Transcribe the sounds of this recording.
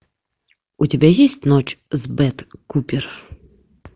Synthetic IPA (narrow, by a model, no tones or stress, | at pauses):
ut͡sʲabʲɛjɛsʲt͡sʲnɔt͡ʂzbɛt̪kupʲir